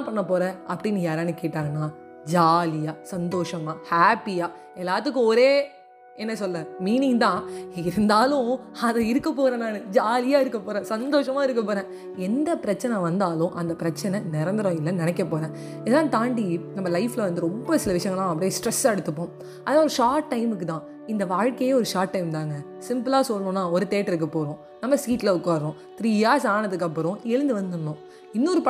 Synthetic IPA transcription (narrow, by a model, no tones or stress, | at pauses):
pɐɳːɐpːoːɾɛ̃ɐpːɐɽɪnːijaːɾaːnɯkeːʈːaːŋɡɐnːaː | d͡ʒaːlɪjaːsɐnd̪oːʂɐmaːhaːpːɪjaː | ɛlːaːt̪ːɯkːɯ̃ɔɾeː | ɛnːɐsɔlːɛ̃miːnɪŋɡt̪ãːɪɾɯnd̪aːlʊ̃ɐðɛɪɾɯkːɐpoːɾɐnaːnɯd͡ʒaːlɪjaːɪɾɯkːɐpːoːɾɛ̃ːsɐnd̪oːʂɐmaːɪɾɯkːɐpːoːɾɛ̃ː | ɛnd̪ɐpɪɾɐt͡ʃːɐnɐʋɐnd̪aːlʊ̃ʔɐnd̪ɐpɪɾɐt͡ʃːɐnɐnɪɾɐnd̪ɪɾõɪlːɐ̃nɪnɛkːɐpːoːɾɛ̃ː | ɪðɐlãːt̪aːɳɖinɐmːɐlɐɪflɐʋɐnd̪ɯɾɔmbɐsɪlɐʋɪʂɐjɐŋɡɐlãːɐp̬ːɐɽijesʈɾɛsːaɛɽɯt̪ːɯpːõː | ɐðɐnaːɔɾɯʂaːʈːɐɪmɯkːɯt̪ãː | ɪnd̪ɐʋaːɻkɐjeːɔɾɯʂaːʈːɐɪmt̪ãːŋɡɐ | sɪmpɯlaːsɔlːɐɳõːnːaːɔɾɯt̪eːʈːɪɾɯk̬ːɐpːoːɾõː | nɐmːɐsiːʈːlɐʊkːaːɾɾõː | t̪ɾiːjaːsaːnɐðɯkːɐpːɯɾõːɛɻɯnd̪ɯʋɐnd̪ɯnnʊ̃ː | ɪnːɔɾɯp